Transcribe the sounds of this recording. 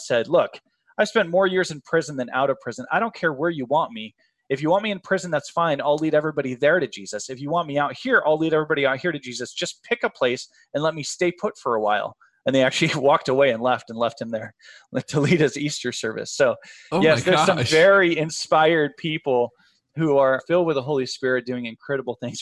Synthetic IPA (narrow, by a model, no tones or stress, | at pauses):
sɛdˡlʊk | aɪ̥spɛ̃nmɔɹjɪɹzɨ̃npʰɹ̥ɪzn̩ðɨ̃nʔa̰ʊɾʌv̥pʰɹ̥ɪzɨ̃naɪɾõʊ̃nkʰɛɹwə˞jɨwɑ̃nmi | ɨfjɨwɑ̃nmiɨ̃npʰɹ̥ɪzɨ̃n̩ðætsfãɪ̃naɪliɾɛvɹibɑɾiðə˞ɾɨd͡ʒizɨsɨfjɨwɑ̃nmiaʊt̚hiɹʔaɪlˠiɾɛvɹibɑɾiəhiɹɾɨd͡ʒizɨsd̥ʒ̥ʌspʰɪkəpʰl̥eɪs | ɨ̃nlɛt̚misteɪpʰʊtfə˞əwa̰ɪlˠ | ə̃nðeɪæk̚t͡ʃʉl̩ˠiwɔk̚təweɪɨ̃nlɛftɨ̃n̩lɛft̚hɨ̃mðə˞ | tʰəliɾ̚ɨzistə˞sɜ˞vɨ̰soʊ | jɛsðə˞zsʌ̃mvɛɹiɪ̃nspaɪə˞d̚pʰipl̩ˠ | huə˞fɪlˠd̚wəðəɦoʊlˠispɪɹɨt̚d̥ʉɪ̃ŋɨ̃nkʰɹ̥ɛɾəbl̩ˠθɪ̃ŋz̥